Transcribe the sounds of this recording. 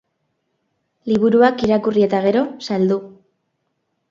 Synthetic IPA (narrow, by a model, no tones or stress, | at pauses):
liβuɾuakiɾakurie̞t̪aɣ̞e̞ɾo̞sald̪u